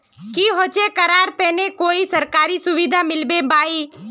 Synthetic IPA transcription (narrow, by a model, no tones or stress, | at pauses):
kiːɦoːt͡ʃekəɾaːɾt̪ɛ̃ːnẽkoːisəɾkaːɾisʊʋid̪ʱamɪlbebaːiː